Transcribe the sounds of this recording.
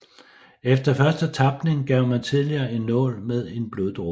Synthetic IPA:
efd̥ɐfɶɐsd̥ət͡sʰɑ̈b̥ne̝ŋɡ̥ɛʊ̰mænt͡sʰiðˠliɐːe̝nːɔ̰̽ːlmeð̞ˠe̝nb̥loðˠd̥ʁo

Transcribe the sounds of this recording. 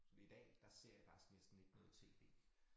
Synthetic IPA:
fɒd̥ḭid̥ɛ̰ːd̥ɑ̈se̝ɐ̰jäfɑ̈ɡ̥i̥sɡ̥nesd̥n̩e̝ɡ̥nɔ̽ːð̞̩ˠt͡sʰe̝̰ːd̥e̝̰ː

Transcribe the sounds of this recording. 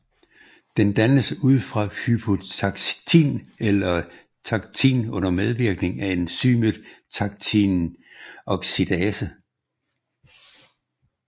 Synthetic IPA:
d̥end̥ænəsuð̞̰ˠfʁɑ̈hypʰo̝t͡sʰɑɡ̥t͡sʰḭnelɐ | t͡sʰɑ̈ɡ̥t͡sʰḭnɔ̽n̰ɐmeð̞ˠʋiɐɡ̥ne̝ŋæe̝nsyməd̥t͡sʰɑ̈ɡ̥̚t͡sʰin | ɒ̽ɡ̥sid̥ɛsə

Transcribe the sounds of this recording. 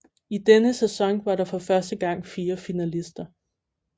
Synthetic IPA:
id̥enəsesɒ̽ŋʋɑ̈ɾɑ̈fɒ̽fɶɐsd̥əɡ̥ɑ̈ŋ̰fiːɐfinælisd̥ɐ

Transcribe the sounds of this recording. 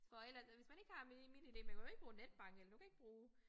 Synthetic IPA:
fɒ̽elɐsʋe̝smæne̝ɡ̥əhɑ̈minid̥e̝̰ːmænkʰæjʊe̝ɡ̥̚b̥uːned̥̚b̥ɑ̈ŋ̰ɡ̥elɐnukʰæe̝ɡ̥b̥ʁuː

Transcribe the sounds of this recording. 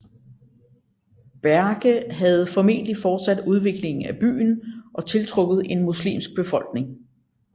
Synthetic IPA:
b̥æɐɡ̥əɦæð̞̩ˠfɒ̽me̝̰ːnd̥lifɒːd̥sæd̥uð̞ˠʋe̝ɡ̥le̝ŋn̩æb̥y̰ːn̩ʔɒ̽t͡sʰe̝lt͡sʰʁɔ̽ɡ̥ð̩ˠe̝nmuslḭːmsɡ̥̚b̥e̝fɒ̽l̰ɡ̥ne̝ŋ

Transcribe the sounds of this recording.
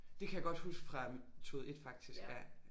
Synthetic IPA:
d̥e̝kʰæjäɡ̥ɒ̽d̥husɡ̥fʁɑ̈mt͡sʰo̝ð̩ˠe̝d̥fɑ̈ɡ̥̚d̥isɡ̥æɐ̰

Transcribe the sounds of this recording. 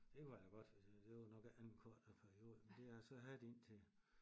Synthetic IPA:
d̥ekʰuælɐɡ̥ɒ̽d̥d̥e̝ʋɑnɒ̽ɡ̥ænn̩kʰɒɐ̰d̥ɐpʰæɐʁio̝ːð̩ˠmend̥e̝ɑsɒ̽ɦæd̥e̝n̰t͡sʰe̝

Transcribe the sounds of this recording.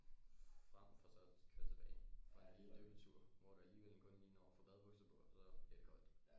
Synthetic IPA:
fʁam̰fɒsɒkʰøɐt͡sʰe̝b̥ɛ̰ːɪɒ̽did̥øʋt͡sʰuɐ̰ʋɒɾ̥uæliːʋelenkʰɔ̽nniːnɒ̰ːfɒb̥æðˠb̥ɔɡ̥səb̥ʰɔ̰sɒ̥e̥kʰɒl̰d̥

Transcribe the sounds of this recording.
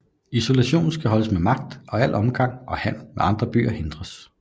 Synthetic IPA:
iso̝læɕo̝̰ːn̩sɡ̥æɦɒ̽ləsmemɑ̈ɡ̥̚d̥ʔɒ̽æl̰ʔɒ̽mɡ̥ɑ̈ŋ̰ʔɒ̽hæn̰meɑ̈nd̥ʁɐb̥y̰ːɐhe̝nd̥ʁɐs

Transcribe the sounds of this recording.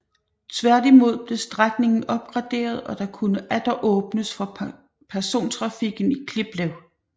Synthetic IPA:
t͡sʰʋæɐd̥imo̝ð̞̰ˠb̥le̝sd̥ʁaɡ̥ne̝ŋn̩ɒ̽b̥̚ɡ̥ʁɑ̈d̥e̝̰ːɐð̞ˠɒ̽d̥ɑ̈kʰunəʔæd̥ɐʔɔ̽ːb̥nəsfɒ̽ | pʰæɐso̝̰ːnt͡sʰʁɑ̈fiɡ̥n̩ikʰleb̥lɛʊ

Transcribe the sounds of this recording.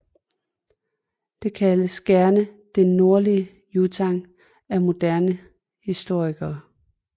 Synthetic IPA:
d̥e̝kʰæləsɡ̥æɐnəd̥ennːo̝ɐliə | jut͡sʰɑ̈ŋ | æmo̝d̥æɐnə | hisd̥o̝ɐ̰iɡ̥ɐː

